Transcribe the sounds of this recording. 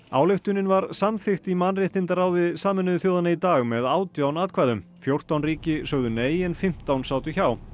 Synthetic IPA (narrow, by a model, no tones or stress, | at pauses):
a̰ːwlɪxt̪ʏnɪnvaɾsamθɪxt̪imanrɪht̪ɪnt̪araːwðɪsaːmɛnʏðθjowðanait̪aːɣmɛðaːwt̪jawnaːt̪kʰvaːjðʏmfjowr̥t̪awnriːcɪsœɣðʏneːjɪnfɪm̥t̪awnsaːwt̪ʏçaːw